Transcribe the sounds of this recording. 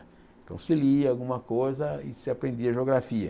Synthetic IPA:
ẽt̪ɐ̰̃w̃sɪliawɡũmɐkojzɐɪ̰sɪapɾẽnd̪iɐʒeoɡɾafiɐ

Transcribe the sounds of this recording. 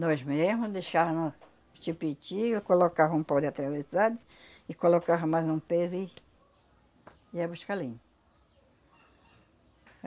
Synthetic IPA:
nɔzmezmʊd̪eʃavɐ̃nʊ | t͡ʃipit͡ʃikolokavɐũpawd̪ɪat̪ɾavesad̪ʊ | ɪkolokavɐ̃majzũpezʊi | iabuʃkalĩɲʊ

